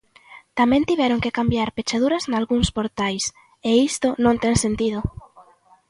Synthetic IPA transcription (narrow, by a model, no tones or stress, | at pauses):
t̪amɛ̃nt̪iβɛɾoŋkekambjaɾpet͡ʃað̞uɾaznalɣuŋspoɾt̪ajs | eist̪onõnt̪ɛŋsent̪ið̞ʊ